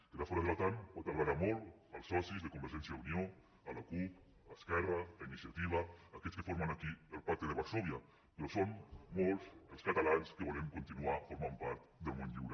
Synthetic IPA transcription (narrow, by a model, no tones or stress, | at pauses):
kəðafoɾaðelat̪anat̪alaɾamolˠ | əlˠsːɔsizðəkumbəɾʒɛnsjaðunio | əlakup | askɛralainisiat̪iβ̞aːkɛskəfoɾmanakiəlˠpaɾk̚t̪eðəβaɾsoβja | peɾɔsommolˠzəlˠskat̪alanskəβɔlemkunt̪inuafuɾmampaɾt̪d̪əlˠmonʎḭwɾe